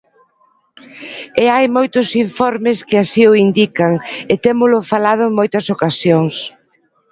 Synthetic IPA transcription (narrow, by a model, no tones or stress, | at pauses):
eajmojt̪ʊsiɱfɔɾmɪskɪasioind̪ikɐŋet̪emʊlʊfalað̞ʊeŋmojt̪ɐsokasjoŋs